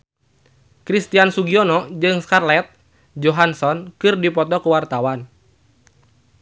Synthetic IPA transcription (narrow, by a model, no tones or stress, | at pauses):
kɾist̪iansuɡiɔnɔd͡ʒɨŋskarlɛt̪̚ | d͡ʒɔɦansɔnkɨrdipɔt̪ɔkuwart̪awan